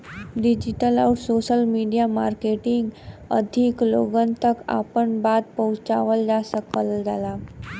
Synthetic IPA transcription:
ɖid͡ʑiʈəlauʈsoɕəlmiɖijamaɾkeʈiŋɡə̰d̪ʱikloɡənt̪əka̰pəɳbad̪̚pəwt͡ɕaʋəld͡zasəkəld͡zala

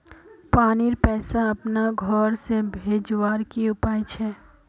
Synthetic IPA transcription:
paːniɾpɛːsaɐpnaɡʱɔːɾsebʱeːd͡ʒwaːɾkiʊpaːjt͡ʃʰɛː

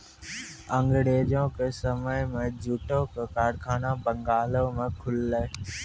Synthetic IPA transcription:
ə̃ŋɡɽeːd͡ʒõːkesəməjmẽd͡ʑʱuːʈoːkekaːɖkʰaːnãbə̃ŋɡaːloːmẽkʰʊlːe

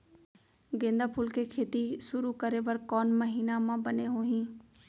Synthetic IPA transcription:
ɡẽːnd̪apʰuːlkʰekʰeːt̪iʃʊɾukɐɾeʋɐɾkɔːnmɐɦiːnamãbɐneɦoːɦĩː

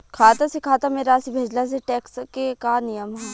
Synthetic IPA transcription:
kʰaːt̪asekʰaːt̪ameɾaːsibʱeːd͡ʒlas̬eʈɛːkskekaːnɪjəmɦɛ

